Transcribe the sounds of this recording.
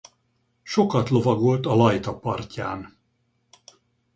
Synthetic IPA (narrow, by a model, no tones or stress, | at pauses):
ʃo̞kɒt̪lo̞vɒɡo̞lt̪ɒlɒjt̪ɒpɒrca̰ːn